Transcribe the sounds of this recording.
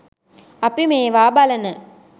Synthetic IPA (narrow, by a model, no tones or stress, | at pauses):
ɐpːimeːʋaːbalɐnɐ